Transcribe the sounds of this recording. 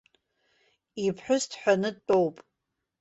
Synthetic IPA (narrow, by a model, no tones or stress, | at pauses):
ipʰħʷᶣʊstʰħʷᶣanɨtʼowpʼ